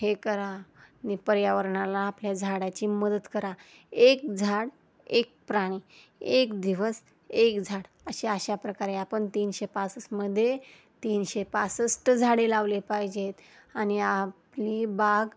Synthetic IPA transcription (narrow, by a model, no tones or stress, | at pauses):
hekəɾanipəɾjaʋəɾɳalaːpljad͡zʱaɽat͡ɕiːməd̪ət̪kəɾaek̚d͡zʱaɽ | ek̚pɾaɽ̃i | ekd̪iʋəs | ekd͡zʱaɽ | əɕeaɕapɾəkaɾeapəɳt̪iːnɕepasəsməd̪ʱːje | t̪iːnɕepasəsʈəd͡zʱaɽelaʋlepajd͡ʑet̪ | añiaplibaɡ